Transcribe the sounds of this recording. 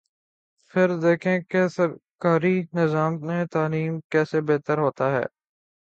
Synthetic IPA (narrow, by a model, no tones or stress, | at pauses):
pʰɪɾd̪eːkʰẽkesəɾkaːɾinɪzaːmnet̪aːliːmkɛːsebeːt̪əɾɦoːt̪aɦɛ̰ː